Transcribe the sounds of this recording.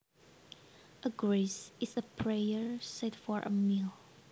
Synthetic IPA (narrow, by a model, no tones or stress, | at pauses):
ʔəɡɹesɪsəpʰɹejəɹsɛtfɔɹʔə̰mil